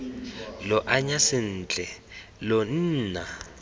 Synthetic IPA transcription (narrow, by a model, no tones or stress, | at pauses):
lɔʔaɲasɪn̩ːt͡ɬʼɛlɔn̩ːna